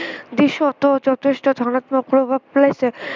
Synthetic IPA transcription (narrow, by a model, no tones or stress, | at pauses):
d̪iʃot̪od͡ʑɔt̪ʰeʃʈod̪ʱɔnot̪mopɾobʱab̚plesʰe